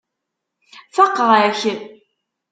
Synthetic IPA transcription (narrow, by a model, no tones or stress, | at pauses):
fɑqːəʁçən